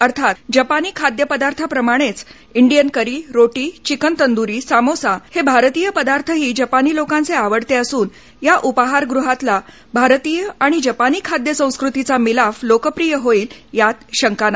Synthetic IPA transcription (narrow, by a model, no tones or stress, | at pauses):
əɾt̪ʰat̪d͡ʑəpaniːkʰad̪jəpəd̪aɾt̪ʰapɾəmaɽ̃et͡s | iɳɖijənkəɾiːɾoʈiːt͡ɕikənt̪ənd̪uɾiːsamosahebʱaɾt̪iːjəpəd̪aɾt̪ʰəɦiːd͡ʑəpaniːlokãnt͡seaʋəɽt̪eəsuːn | jaʔupaɦaɾɡɾuɦat̪la | bʱaɾt̪iːjəaɽ̃id͡ʑəpaniːkʰad̪jəsə̃w̃skɾut̪it͡samilaflokəpɾijəɦoiːljat̪ɕəŋkana